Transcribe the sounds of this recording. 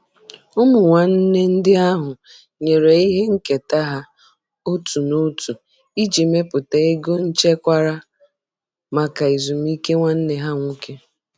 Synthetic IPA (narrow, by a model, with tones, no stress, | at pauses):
ʊ˦mʊ˨ŋʷa˨n̩˦ne˦n̩˦dɪ˦a˦ɦʊ˨ | ɲe˨ɾe˨i˦ɦe˦ŋ̩˦ke˨ta˦ɦa˦ | ʊ˦tu˨no˦tu˨ | i˦d͡ʒi˨me˦pʊ˨te˦e˦ɡo˦n̩˦t͡ʃe˦kʷa˦ɾa˦ | ma˨ka˨i˨zu˨m˦i˦ke˦ŋʷa˦n̩˦ne˦ɦa˦ŋʷu˦kʰe˦